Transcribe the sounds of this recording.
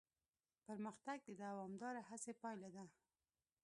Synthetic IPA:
pəɾməxt̪aɡ̚d̪əd̪aawɑmd̪ɑɾaɦasepɑjlad̪a

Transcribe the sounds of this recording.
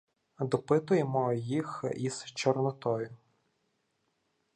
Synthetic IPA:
d̪ɔpɪt̪ʊjemɔjixiz̥t͡ʃɔrnɔt̪ɔjʊ

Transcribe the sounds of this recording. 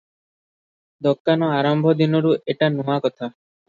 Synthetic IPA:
d̪ɔkːanɔaɾɔmbʱɔd̪inɔɾuʔeʈanuakɔt̪ʰa

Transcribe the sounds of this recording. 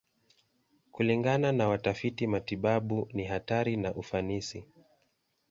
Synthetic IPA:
kuliŋɡananawatafitimatiɓaɓuniɦataɾinaʔufanisi

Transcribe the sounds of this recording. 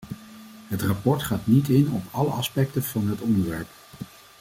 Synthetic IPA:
ɦətrɑpɔɹtχaːtnitɪnɔpɑləɑspɛktəv̥ɑnɦətɔndəɹʋɛɹp

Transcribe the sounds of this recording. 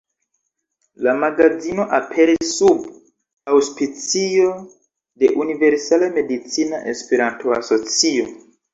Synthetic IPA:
lamaɡazino̞ʔapʰe̞ɾisːub | awspit͡sio̞ | de̞ʔunive̞ɾsalame̞dit͡sina̰ʔespeɾantoaso̞t͡sio̞

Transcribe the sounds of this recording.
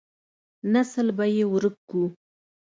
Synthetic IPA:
nasəlbajewɾək̚kːu

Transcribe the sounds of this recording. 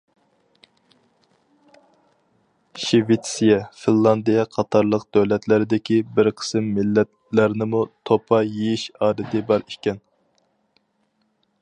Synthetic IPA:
ʃivet̪sijɛfinlˠɑnd̪ijɛqʰɑt̪ʰɑɾlˠəq̚d̪øwlɛt̪lɪɾɪd̪ɪkʲibɪɾqʰə̥sɨmːɪlːɛt̪ | læɾnɪmut̪ʰopʰɑjejiʃɑːɾɨd̪ɪbɑɾi̥ʃkʲɛn

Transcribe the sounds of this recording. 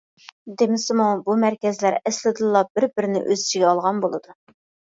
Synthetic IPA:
d̪emɪsɪmubumæɾkʲɛzlæɾɛslɪd̪ɨlˠːɑb̥ɪɾbɪɾnɪ̰ʔø̰zɪt͡ʃʰiɡʲɛɑlˠʁɑnbolˠɨd̪u

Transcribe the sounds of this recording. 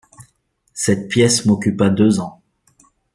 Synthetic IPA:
sɛt̪̚pjɛsmɔkʲypad̪øzɑ̃

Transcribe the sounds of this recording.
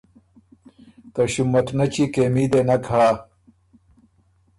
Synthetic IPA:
t̪ɐɕumːɐt̪nɐt͡ɕikeːmid̪enɐkʰɐɭaː

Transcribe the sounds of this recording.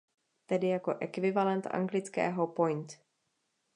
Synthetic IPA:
t̪ɛdɪjako̞ʔɛkvɪvalɛnt̪ʔa̰ŋɡlɪt͡skɛ̰ːɦopojnt̪

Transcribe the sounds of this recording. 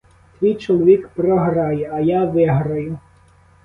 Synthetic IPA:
t̪ʋʲijt͡ʃɔlˠɔʋʲikpɾɔɦrɑjɛɐjaʋɪɦɾɐjʊ

